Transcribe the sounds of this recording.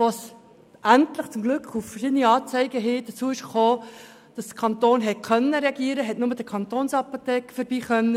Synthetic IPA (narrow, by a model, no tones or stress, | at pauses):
ʋos | ʔæntləχt͡sʊmɡlʏkχuffərʃɪd̪əniɑːt͡sɛɪɡəɦɪːd̥̪ət͡suːəɪʃχoː | d̥ɑsd̥̪ə̥kʰɑnt̪oːnɦɛt̚kʰœnːəɾɛɑɡiːəɾəɦɛtnʊməd̥əkʰɑnt̪oːnsɑpot̪ɛːkəfəɾbiːχœnːə